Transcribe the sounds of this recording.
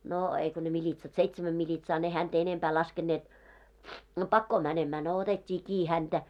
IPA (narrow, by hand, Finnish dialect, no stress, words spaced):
noː eiko ne militsɑt seitsmæm milʲitsɑː ne hænt enempæː lɑskenːeːt no pɑkːoː mænemæː no otetʲːiː kiː hæntæ